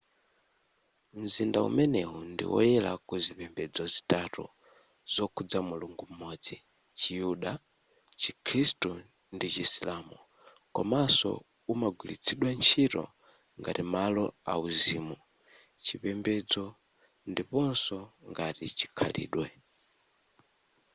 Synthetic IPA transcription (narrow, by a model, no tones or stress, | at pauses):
m̩zindaṵmɛnɛundḭwɔ̰jɛlakuzipɛmbɛd͡zɔzi̥tatɔ̰ | z̥ɔkʰud͡zamuluŋɡum̩mɔd͡zi | t͡ʃijuɗa | t͡ʃikʰɾistu | ndit͡ʃisilamu | kɔmasɔ̰ | umaɡwilit͡sʰiɗwant͡ʃʰiɾɔ̰ | ŋɡaɾimalɔauziːmu | t͡ʃipɛmbɛd͡zɔ | ndipɔnsɔŋɡaɾit͡ʃi̥kʰalḭːɗwɛ